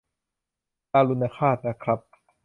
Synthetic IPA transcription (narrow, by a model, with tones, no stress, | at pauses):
kaː˧lu˧nːa˧˩kʰaː˥˩t̪̚na˧˩kʰɾa˦˥p̚